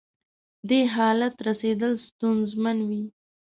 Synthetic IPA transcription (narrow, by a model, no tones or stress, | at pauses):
d̪eɦɑlat̪ɾased̪əlst̪unzmanwi